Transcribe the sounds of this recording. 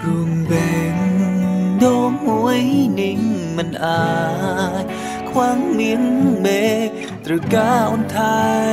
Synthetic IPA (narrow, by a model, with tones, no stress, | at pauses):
ku˧˩əŋbɛ˨˧˩ŋ | d̪o˧mu˧˦əjni˧˩ŋma˧˩nʔaː˧˩ | j | kʰwaː˧˥ŋmi˧˥əŋme˧˦ | t̪ɾɯ˨˩kaː˧˥ʔnt̪ʰaː˧